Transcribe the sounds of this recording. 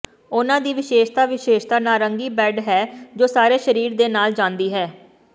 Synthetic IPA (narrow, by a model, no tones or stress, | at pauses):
ʊnãːd̪iːʋɪʃeːʃt̪aːʋɪʃeːʃt̪aːnaːɾəŋɡiːbɛːɖɦɛːd͡ʒoːsaːɾeːʃəɾiːɾd̪eːnaːld͡ʒãːnd̪iːɦɛː